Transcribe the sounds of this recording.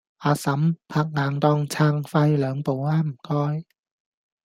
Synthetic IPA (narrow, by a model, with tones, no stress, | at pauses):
aː˨˧sɐ˨˥mpʰaː˧k̚ŋaː˨ŋt̪ɔː˧ŋt͡sʰaː˧ŋfaː˧jlœː˨˧ŋpo˨˧waː˧˥m̩˨˩kɔː˧˥j